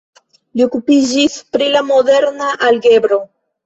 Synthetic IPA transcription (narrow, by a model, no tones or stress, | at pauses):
lio̞kupid͡ʒispɾilamo̞de̞ɾnaʔalɡe̞bɾo̞